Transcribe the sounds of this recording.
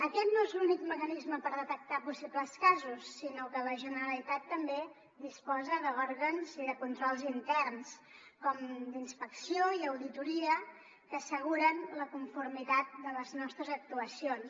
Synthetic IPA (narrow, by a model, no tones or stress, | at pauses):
əkɛt̪noezlunikməkənizməpəɾðət̪ək̚t̪apusibləskazusːinokələʒənəɾəlit̪at̪ːəmbe | d̪ispɔzəðəɔɾɣənziðəkunt̪ɾɔlˠzint̪ɛrnskɔmd̪inspəksioiəwðit̪uɾiə | kəːsəɣ̞uɾənləkuɱfuɾmit̪at̪̚d̪ələznɔst̪ɾəzək̚t̪uəsions